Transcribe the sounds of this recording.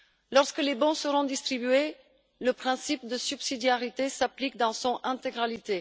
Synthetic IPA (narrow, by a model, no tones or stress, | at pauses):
lɔʁskəlebɔ̃səʁɔ̃d̪ist̪χibye | ləpχɛ̃sip̚d̪əsybsid̪jaʁit̪esaplikd̪ɑ̃sɔ̃ɛ̃t̪eɡʁalit̪e